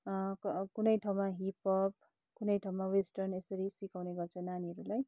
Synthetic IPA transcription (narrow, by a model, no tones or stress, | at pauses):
kkunʌjʈʰawmaɦipʰʌp̚ | kunʌjʈʰawmawesʈʌrnesʌɾisikawneɡʌrt͡sʰʌnaniɦʌɾulaj